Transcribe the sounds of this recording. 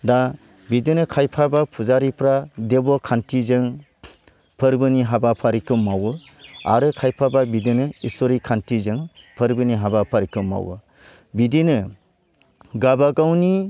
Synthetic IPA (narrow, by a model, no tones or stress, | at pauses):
da | bidinɯkʰajpʰabapʰuzaɾipʰɾadebɔkʰantʰizɯŋ | pʰɯɾbɯniɦabapʰaɾikɯmːawɯ | a̰ɾɯkʰajpʰababidinɯisɔɾikʰantʰizɯŋpʰɯɾbɯniɦabapʰaɾikɯmːa̰wɯ̰ | bidinɯ | ɡabaɡawni